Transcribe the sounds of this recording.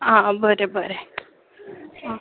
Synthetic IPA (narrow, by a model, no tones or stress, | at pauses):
ãbəɾebəɾe | ã